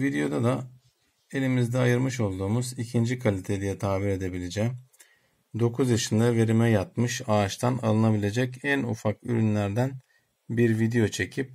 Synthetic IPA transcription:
vid̪ejo̞d̪ad̪a | e̞lʲimizd̪ɛajɯɾmɯʃo̞lˠd̪uːmuzicʰind͡ʒikʰalʲit̪ʰed̪ijɛt̪ʰaːviɾe̞d̪e̞bilʲed͡ʒɛ | d̪o̞kʰuzjaʃɯnd̪ave̞ɾimɛjat̪̚mɯʃaːt͡ʃt̪ʰana̰lˠɯnabilʲe̞d͡ʒɛcænṵfaky̰ɾynlʲæɾd̪æn | biɾvid̪ejo̞t͡ʃʰe̞cʰip̚

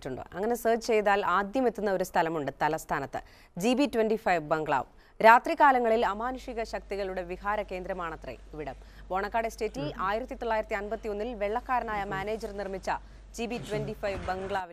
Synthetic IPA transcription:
tːuɳɖɨ̰ɐŋːɐne̞sɐrd͡ʑɨt͡ɕe̞jðaːlaːd̪jɐmet̪ːunːɐo̞ɾust̪ʰɐlɐmuɳɖɨt̪ɐlɐst̪ʰaːnɐt̪ːɨ̰ | d͡ʑibitwenɖifɐjʋbɐŋɡɭa̰ːʋ | ɾaːt̪rikːaːlɐŋːɐɭilɐmaːnuʂiɣɐɕɐk̚t̪iɣɐɭuɽe̞ʋihaːɾɐke̞ːnd̪ɾɐmaːɳɐt̪rḛiʋiɽɐm | bo̞ːɳɐkːaːɽeste̞ːtːilaːjiɾɐt̪ːit̪oɭːaːjiɾɐt̪ːiɐnbɐt̪ːio̞nːilʋe̞ɭːɐkːaːɾɐnaːjɐmaːne̞ːd͡ʑɐrnirmit͡ɕːɐ | d͡ʑibitwenɖifɐjʋbeŋɡɭaːʋi

